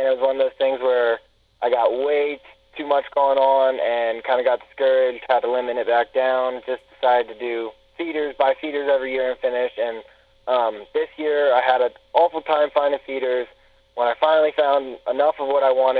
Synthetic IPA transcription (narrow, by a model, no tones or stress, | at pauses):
ɨ̃nɨt̚wʌzwʌ̃nʌvðoʊz̥θɪ̃ŋzwə˞ | ʔaɪɡɑt̚weɪt | tʰʉmʌt͡ʃɡ̥oʊɪ̃ŋə̃nɨ̃nkʰãɪ̃ndɨɡɑt̪̚ðə̥skɜ˞ɪd̥tʰɹ̥aɪd̚tʰəlɪ̃mɨ̃nɨt̚b̥æk̚d̥ãʊ̃nd͡ʒʌsd̥ɪsaɪɾɨd̚tʰɨdɨ | fiɾə˞zbaɪfiɾə˞zɛvɹijɪɹɨ̃nfɪ̃nɪʃɨ̃n | ʔʌ̃mðɪsjɪɹaɪɨɾɨɔfl̩ˠtʰãɪ̃ɱfãɪ̃ndɪ̃ŋfiɾə˞z̥ | wə̃ñaɪfãɪ̃nl̩ˠifãʊ̃ndənʌfʌvwʌɾaɪwɑ̃ñɨ